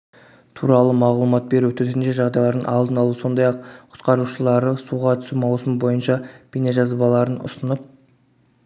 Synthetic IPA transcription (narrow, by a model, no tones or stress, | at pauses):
t̪ʰuɾɑlˠəmɑʁlˠumɑt̪̚be̞ɾuɵt̪eɾneʒɑʁd̪ɑjlˠɑɾd̪ənɑlˠd̪ənɑlˠuəso̞nd̪ɑjɑqqʰʊ̥t̪qɑɾuʃəlˠɑɾəsuʁɑt̪ʰʏ̥sumɑwsəmbo̞jənʃɑb̥ineʒɑzbɑlˠɑɾənʊ̰sənəp̚